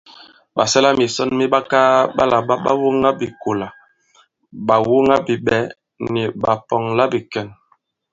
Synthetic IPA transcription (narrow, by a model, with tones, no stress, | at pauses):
ɓa˨sɛ˦la˦mi˨sɔ˦nmi˦ɓa˦ka˦ɓa̰˦la˨ɓa˦ɓa̰˦wu˦ŋa˦bi˨ko˨la˨ | ɓa˨wu˦ŋa˦bi˨ɓɛ˨˦ | ni˨ɓa˨pɔ˨ŋla˦bi˨kɛ˦˨n